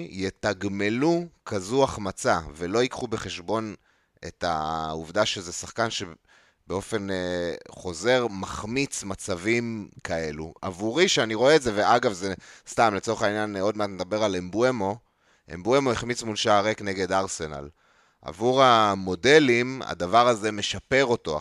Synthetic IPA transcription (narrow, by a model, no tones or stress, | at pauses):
jetaɡme̞lukʰazuaχmat͡save̞lo̞ikχubeχe̞ʃbo̞n | ḛta̰uvdaʃezesaχkanʃe̞ | beo̞fe̞nχo̞ze̞ʁmaχmit͡smat͡savimkae̞lṵa̰vuʁiʃeaniʁo̞eːtzeveaɡavzest̪amlet͡so̞eχainjano̞dmeatmed̪abe̞ʁalembuemo̞ | ʔḛmbue̞moiχmit͡smulʃaːʁekne̞ɡe̞daʁse̞na̰l | a̰vuʁamo̞de̞lima̰davaʁaze̞me̞ʃape̞ʁo̞to̞